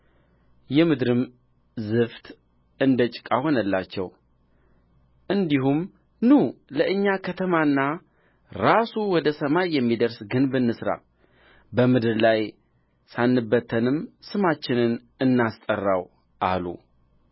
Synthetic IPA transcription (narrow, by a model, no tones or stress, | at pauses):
jɛmɨd̪ɾɨm | zɨft̪ | ɨnd̪ət͡ʃʼɪ̥kʼaho̞nəlːat͡ʃːɛ̰w | ʔɨnd̪iɦum | nuləʔɨɲːakʰət̪ʰəmanːa | ɾasuwɔd̪əsəmajːɛmːid̪əɾsɡɨnbɨnːɨsɾa̰ | bəmɨd̪ɨɾlaj | sanːɨbːət̪ʰənɨmsɨmat͡ʃːɪnɨn | ɨnːast̪ʼərːaw | ʔa̰lṵ